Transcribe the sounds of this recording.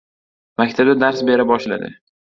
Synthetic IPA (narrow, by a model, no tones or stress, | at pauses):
makʲt̪ʰab̚d̪ad̪aɾsbe̞ɾabɒʃla̰d̪ɪ̰